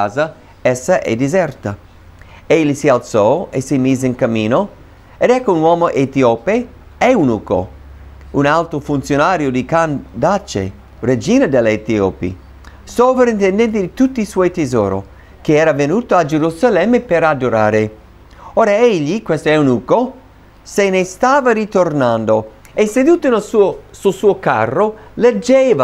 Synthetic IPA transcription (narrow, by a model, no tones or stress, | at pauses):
aːza | ɛsːaʔɛ̰d̪izɛrt̪a | ɛʎːisialt̪sɔesimiːzeinkamːiːno | ed̪ɛkːounwɔːmoʔet̪ioːpe | ɛunuko̰ | unalt̪ɾofunt̪sjonaːɾjod̪ikand̪at͡ʃːḛ | red͡ʒiːnad̪elːet̪iopḭ | sovɾaint̪ɛnd̪ɛnt̪̬id̪it̪ut̪ːiswɔːjt̪ezo̰ːɾo̰ | k̟eɛːɾavenuːt̪oad͡ʒeɾuzalɛmːepeɾad̪oɾa̰ːɾe | oːɾaeʎːikwɛst̪oɛunuːko | senest̪aːvaɾit̪ornand̪o | esed̪uːt̪onelsuosulsuːoka̰rːoled͡ʒːɛːva